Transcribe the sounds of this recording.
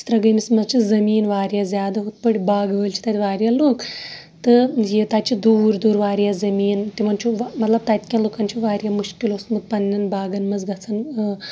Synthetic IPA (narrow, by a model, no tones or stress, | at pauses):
st̪ɾɐɡɐjmismɐzt͡ʃʰizɐmiːnʋaːɾjazʲjaːd̪aɦut̪̚pɐɽibaːɡʋəːlʲt͡ʃʰi̥t̪at̪ʲiʋaːɾʲjaloːk | t̪ɨjet̪at͡ʃid̪uːɾd̪uːɾʋaːɾjazɐmiːnt̪imɐnt͡ʃʰuʋmɐt̪lɐb̚t̪at̪ʲi̥kʲãloːkant͡ʃʰiʋaːɾjamuʃkilosnut̪̚pɐnʲːɐnbaːɡɐnmɐzɡɐt͡sʰɐn